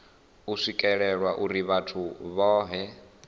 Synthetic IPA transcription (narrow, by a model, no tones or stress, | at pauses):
uʂikʼɛɺɛɺwaʔuɾiβatʰuβɔːɦɛ